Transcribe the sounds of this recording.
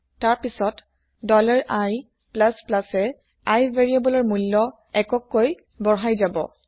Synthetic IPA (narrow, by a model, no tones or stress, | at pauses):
taɹpisɔt | dɔlaɹʔaj | plasplasɛ | ajveɹiabɔlɔɹmulːɔ | ɛkɔkːoj | bɔɦajzabɔ̰